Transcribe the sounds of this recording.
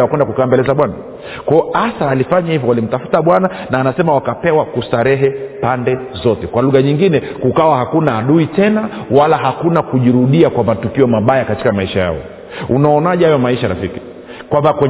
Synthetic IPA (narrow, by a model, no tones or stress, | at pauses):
akwɛndakukaːmbɛlɛzaɓwana | kwaɔasaːlifaɲahivɔwalim̩tafu̥taɓwana | naːnasɛmawakapɛwakusaɾɛɦɛpandɛzɔtɛkwaluɣaɲiŋɡinɛ | kukawahakunaːɗuitɛnawalaɦakunakuʄiɾuɗiakwamatukiɔmaɓajakati̥kamaiʃaja̰ɔ̰ | unaɔnaʄaajɔmaiʃaɾa̰fiki | kwambakwɛ